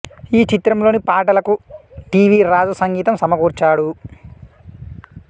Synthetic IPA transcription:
iːt͡ʃit̪ɾɐmlo̞ːnipaːʈɐlɐkuʈiːʋiːɾaːd͡ʒɐsɐŋɡiːt̪ɐmsɐmɐɡuːɾt͡ʃaːɽu

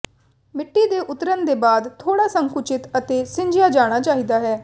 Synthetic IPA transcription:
mɪʈːiːd̪eːʔʊt̪ɾənd̪eːbaːd̪t̪ʰːoːɽaːsəŋkʊt͡ʃɪt̪ət̪eːsɪ̃ɲd͡ʒɪjaːd͡ʒaːɽ̃aːt͡ʃaːɦiːd̪aːɦɛː

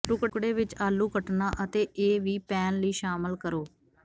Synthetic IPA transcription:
ʈʊkɽeːʋɪt͡ʃaːlːuːkəʈnaːʔət̪eːʔeːʋiːpɛːnləiːʃaːməlkəɾoː

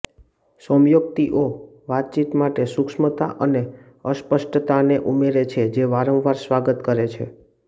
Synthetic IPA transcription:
səmjok̚t̪iʔo | ʋat̪̚t͡ʃit̪maʈesukʃmət̪aʔəne | əspəʃʈt̪aneʔumeɾet͡ʃʰed͡ʒeʋaɾə̃ʋʋaɾsʋaɡət̪kəɾet͡ʃʰḛ

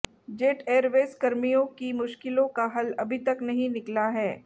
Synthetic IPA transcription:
d͡ʒeːʈeːɾʋeːskɐɾmijõkimʊʃkɪlõkaɦɐlɐbʱit̪ɐknɐɦĩnɪklaɦɛː

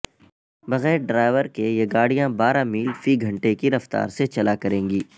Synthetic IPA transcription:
bɐɣɛːɾɖɾaːɪʋəɾkejeɡaːɽ̤ijãbaːɾamiːlfiɡʱɐ̃ɳʈekiɾɐft̪a̰ːɾset͡ʃɐlakɐɾẽːŋɡiː

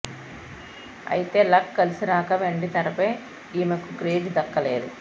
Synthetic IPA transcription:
ɐ̰jit̪e̞ːlɐkːɐlisiɾaːkɐʋeɳɖit̪ɐɾɐpeː | iːmɐkukɾeːɖd̪ɐkːɐleːd̪u

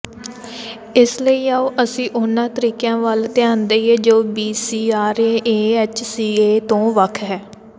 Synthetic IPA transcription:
ɪsləiːaːoːʔəsĩːʔʊnãːt̪əɾiːkjãːʋəlt̪ɪjãːnd̪eːieːd͡ʒoːbiːsiːaːɾeːeːeːt͡ʃsiːeːt̪õːʋəkʰɦɛː

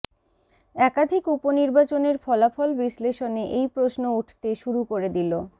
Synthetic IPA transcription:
ɛkad̪ʱikuponiɾbat͡ɕoneɾfɔlafɔlbisleʃoneʔejpɾosnouʈʰt̪eʃuɾukoɾed̪ilo

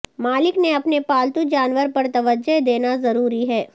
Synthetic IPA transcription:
maːlɪkneɐpnepaːlt̪ud͡ʒaːnʋəɾpɐɾt̪ɐʋəd͡ʒːəd̪eːnazɐɾuːɾiɦɛː

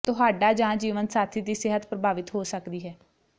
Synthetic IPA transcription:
t̪ʊɦaːɖaːd͡ʒãːd͡ʒiːʋənsaːt̪ʰiːd̪iːsɪɦət̪pɾəbaːʋɪt̪ɦoːsəkd̪iːɦɛː

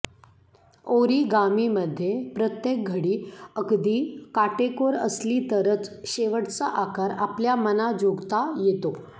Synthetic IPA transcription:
oɾiːɡamiməd̪ʱːjepɾət̪jek̚ɡʱəɽiːəkd̪iːkaʈekoɾə̰sliːt̪əɾət͡sɕeʋəʈt͡saʔakaɾapljamənad͡ʑoɡt̪ajet̪o

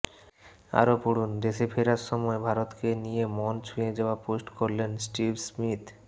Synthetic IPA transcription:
a̰ɾopuɽund̪eʃepʰeɾaɾʃɔmɔebʱaɾot̪kenijemɔnt͡ɕʰujed͡ʑeoaposʈkoɾlensʈibsmit̪

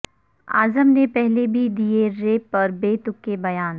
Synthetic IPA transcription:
a̰ːzəmnepɛɦlebʱid̪ieɾeːpɔːɾbeːt̪ʊkːebɐjaːn

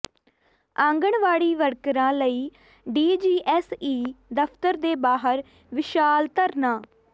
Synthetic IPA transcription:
ãːŋɡəɳʋaːɽiːʋəɽkɾãːləiː | ɖiːd͡ʒiːʔɛːsiːd̪əpʰt̪əɾd̪eːbaːɦəɾ | ʋɪʃaːlt̪əɾnaː

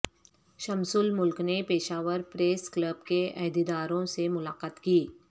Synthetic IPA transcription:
ʃɐmsʊlmʊlknepeːʃaːʋəɾpɾeːskləb̚keʔɛɦd̪ed̪aːɾõsemʊlaːqaːt̪kiː

